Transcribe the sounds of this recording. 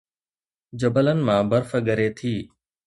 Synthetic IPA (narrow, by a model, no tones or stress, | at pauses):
d͡ʑəbələnɪ̆mãːbəɾfəɠəɾeːt̪ʰiː